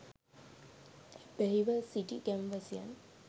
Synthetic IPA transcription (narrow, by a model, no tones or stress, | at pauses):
beɦiʋəsiʈiɡæmʋəsija̰n